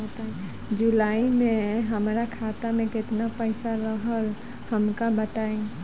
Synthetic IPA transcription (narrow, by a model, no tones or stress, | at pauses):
ət̪aẽ | d͡ʒʊlaːimẽɦəmɾakʰaːt̪amẽkɪt̪napəɪsaɾəɦəl | həmkabət̪aẽ